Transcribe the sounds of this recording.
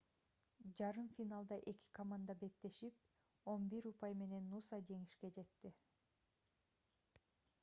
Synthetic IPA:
d͡ʒɑɾɯmfinalˠd̪ɑʔe̞ki̥kʰomand̪ɑbe̞k̚t̪ːe̞ʃip̚ | o̞nbiɾupɑjme̞ne̞nːusɑd͡ʒe̞ŋiʃke̞d͡ʒe̞t̪ːi

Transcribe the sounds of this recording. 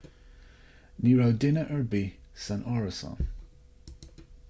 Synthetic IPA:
niːɹawdɪnəʔəɹbiːsanʔɔɹəsɑ̰n

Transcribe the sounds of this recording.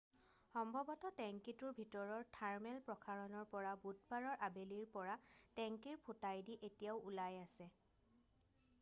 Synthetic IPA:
xɔmbʱɔbɔtɔtɛŋkituɹbʱitɔɹɔɹtʰaɹmɛlpɹɔkʰaɹɔnɔɹpɔɹabut̚baɹɔɹʔabeliɹpɔɹatɛŋkiɹpʰutajdiʔetijaʊulajasɛ

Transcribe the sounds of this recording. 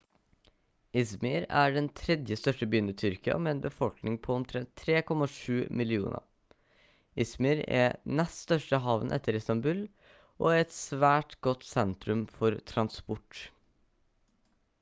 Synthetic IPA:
ʔɪsmɪɾæːɖɛnt̪ʰɾɛd̪jəst̪œʂʈəbyːnət̪ʰʏɾkɪɑ̰meːeːnbəfɔlknɪŋpʰɔʊmt̪ʰɾɛnt̪ʰːɾeːkʰɔmɑʂʉːmɪlɪṵːnʔɑ̰ | ɪsmɪɾɛ̰nɛst̪st̪œʂʈəɦɑːʋnʔɛ̰t̪ʰːəɾɪst̪ɑmbʉːl | ʔo̰ːæɛt̪sʋæːʈɡ̥ɔt̪sɛnt̪ɾʉmfɔɾt̪ʰɾɑnspʊʈ

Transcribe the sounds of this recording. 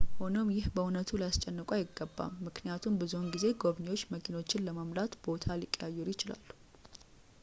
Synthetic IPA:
ho̞no̞mjɪhbəunət̪ʰulijast͡ʃʼːɛnːɨkʼajɪɡːəbːa̰mːɨknijat̪ʰumbɨzunɡize̞ɡo̞βɲewo̞t͡ʃːməkʰino̞t͡ʃːɪnləməmlat̪b̥o̞t̪ʰalikʼjajːɛɾjɪt͡ʃɪla̰lːu

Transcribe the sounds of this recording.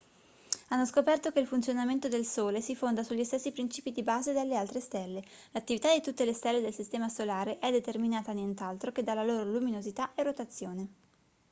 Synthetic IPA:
anːoskopɛrt̪ok̟eilfunt̪sjonament̪od̪elsoːlesifond̪asuʎːist̪esːipɾint͡ʃiːpid̪ibaːzed̪elːealt̪ɾest̪ɛlːelat̪ːivit̪ad̪it̪ut̪ːelest̪ɛlːed̪elsist̪ɛːmasolaːɾeʔɛd̪et̪erminaːt̪anjent̪alt̪ɾok̟ed̪ːalːaloːɾoluminozit̪aʔerːot̪at̪sːjoːne

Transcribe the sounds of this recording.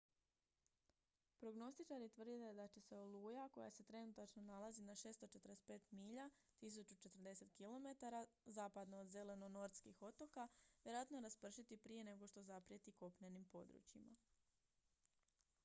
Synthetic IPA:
pɾo̞ɡno̞st̪it͡ʃaɾit̪ʋr̩d̪it̪ed̪at͡ɕe̞se̞olˠuːjako̞̰ja̰se̞t̪ɾe̞nut̪at͡ʃno̞nalazinaʃe̞ːst̪o̞t͡ʃe̞t̪ɾes̚pe̞ːt̪miʎa | t̪is̬ut͡ʃut͡ʃe̞t̪r̩d̪e̞se̞t̪kilo̞me̞t̪aɾazaːpad̪noːd̪ze̞le̞no̞no̞ɾt̪skixo̞t̪o̞kaʋjeɾoat̪no̞ɾaspr̩ʃit̪ipɾije̞ne̞ɡo̞ʃt̪o̞zapɾijet̪iko̞pɲenimpo̞d̪ɾṵt͡ɕima̰

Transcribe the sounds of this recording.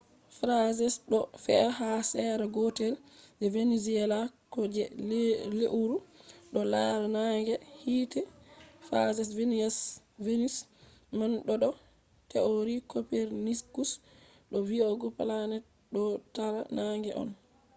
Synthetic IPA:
fɾazɛsɗɔfɛhasɛɾaɡɔtɛldɛveniziɛlakɔd͡ʒɛleʔuɾuɗɔlajaɾnaŋɡɛhiːtɛfɾa̰zɛs̬venias | venis | manɗɔɗɔ | tɛoɾikopɛɾniskus | ɗɔvioɡɔpalanɛ | ɗɔtaɾanaŋɡɛʔɔ̰n

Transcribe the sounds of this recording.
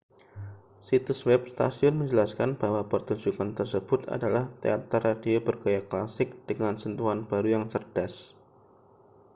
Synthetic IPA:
sit̪uswɛp̚st̪a̰siʊnməɲd͡ʒəlaskanb̥awapərt̪uɲd͡ʒukant̪ərsəb̥ʊt̪a̰dalaht̪ḛa̰t̪aradeobərɡajaklasɪk̚d̥əŋansənt̪uanbaɾujaŋsərd̥as

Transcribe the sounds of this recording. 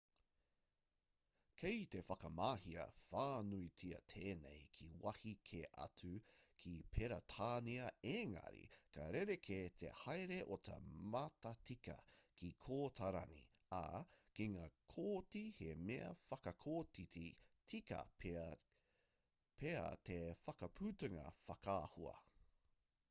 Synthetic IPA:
kʰejt̪efɐkɐmaːhiɐ̰faːnuitʰiɐ̰tʰeːnḛjkʰiwɐhikʰeʔɐ̰tʉkʰipʰeɾɐtʰaːniɐeːŋɐ̰ɾḭkʰɐɾeɾekʰet̪ʰḛhajɾeʔotʰɐ̰mɐtɐtikɐ̰kʰikʰoːtʰɐɾɐ̰nḭa̰kiŋaːkʰoːtihemeɐ̰fɐkɐkʰoːtititikɐ̰ | pʰeɐ̰tefɐkɐpʰʉːtɐŋɐ̰fɐkaːhuɐ̰

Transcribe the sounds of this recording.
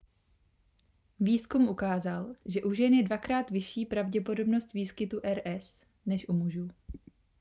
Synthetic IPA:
viːskumʔukaːzalʒɛʔuʒɛnjɛdvakɾaːt̪vɪʃiːpɾavɟɛpo̞do̞bno̞st̪viːskɪt̪uʔɛɾʔɛs | nɛʃʔumuʒuː

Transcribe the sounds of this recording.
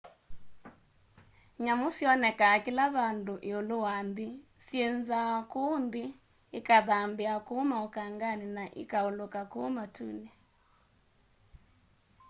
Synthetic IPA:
ɲamosjɔnɛkakilaβandoʔeolowandi | sjenzakondiː | kaðambeakomaokaŋɡaninaʔɪ̰kaolokakoːmatʰṵne

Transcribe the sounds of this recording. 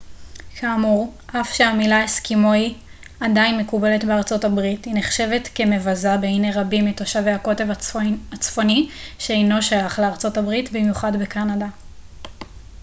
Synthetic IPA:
kʰaːmuʁʔafʃeamilaeskimo̞i | adainmekube̞le̞tbeaʁt͡so̞tabʁithineχʃe̞ve̞tke̞me̞vazabe̞ineʁabimetoʃavejako̞tevaat͡sfo̞niʃeejno̞ʃajaχleaʁt͡so̞tabʁitbimjuχadbekanada

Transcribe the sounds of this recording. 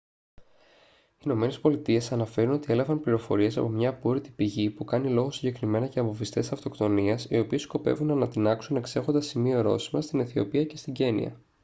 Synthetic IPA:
iːno̞me̞nespo̞lit̪ie̞sɐnɐfe̞ɾuno̞t̪ie̞lɐvɐmpliɾo̞fo̞̰ɾie̞sɐ̰po̞mɲɐːpoɾit̪i̥piʝipukɐnilo̞ɣo̞siɲɟe̞kɾime̞nɐceɐmovist̪esɐft̪o̞kt̪o̞niɐsio̞piesko̞pe̞̰vunɐnɐt̪inɐksune̞kse̞xo̞nd̪ɐsimio̞ɾo̞̰simɐst̪ineθio̞̰piɐce̞st̪iɟe̞nḭɐ̰

